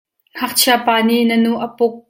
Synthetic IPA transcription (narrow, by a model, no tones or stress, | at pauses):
ŋ̥ɐk̚t͡ɕʰiapaːniʔnənuʔəpʊk̚